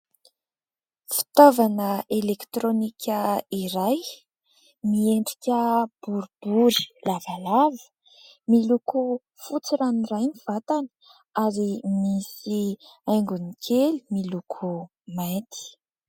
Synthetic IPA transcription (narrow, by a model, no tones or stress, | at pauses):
fi̥t̪ovanəelekt̪ɾonikʰʲəiɾaj | mieɳɖ͡ʐi̥kʲəb̥uɾub̥uɾilavalavə̥ | miluku | fut͡siɾanirajniv̥at̪anə̥ | aɾimisiajŋɡunikʰelimilukʰu | majt̪ʰi̥